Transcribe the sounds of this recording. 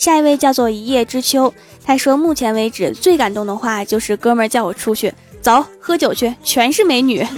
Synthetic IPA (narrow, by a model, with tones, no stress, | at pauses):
ɕja˥˩i˧˥we˥˧ɪt͡ɕjɑ˥˧ʊt͡swɔ˥˩i˧˥jɛ˥˩ʈ͡ʂɻ̩˥t͡ɕʰjo˥ʊ | t̪ʰa˥ʂwɔ˥mu˥˩t͡ɕʰjɛ˧˥nwe˧˥ɪʈ͡ʂɻ̩˨˩t͡swe˥˩ɪka˨˩nt̪ʊ˥˩ŋd̪ə˩xwa˥˩t͡ɕjo˥˧ʊʂɻ̩˥˩kɤ˥mə˞˧˥t͡ɕjɑ˥˩ʊwɔ˨˩ʈ͡ʂʰu˥t͡ɕʰy˥˩ | t͡sɑ˧˥ʊxɤ˥t͡ɕjo˨˩ʊt͡ɕʰɛ˥˩t͡ɕʰɥɛ˧˥nʂɻ̩˥˩me˧˥ɪny˨˩˦